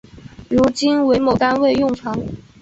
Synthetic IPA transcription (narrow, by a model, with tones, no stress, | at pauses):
ɻu˧˥t͡ɕi˥nwe˧˥ɪmo˨˩t̪a˥nwe˥˧ɪjʊ˥˩ŋfʰɑ˧˥ŋ